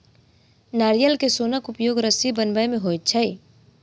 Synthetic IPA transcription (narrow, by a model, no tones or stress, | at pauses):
naːɾijəlkesoːnəkʊpjoːɡɾəsibənbəjmẽɦoːt̪̚t͡ʃʰəi